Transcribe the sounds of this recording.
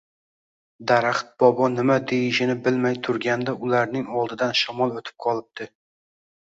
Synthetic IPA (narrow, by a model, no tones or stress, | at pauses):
d̪aɾaχt̪̚bɒbɒnɪmad̪ejɪʃɪnɪbɪlmajt̪ʰʊɾɡʲand̪aʊlaɾnɪŋɒlˠd̪ɪd̪anʃamɒlˠot̪ʰɪ̥p̚qʰɒlˠɪp̚t̪ʰɪ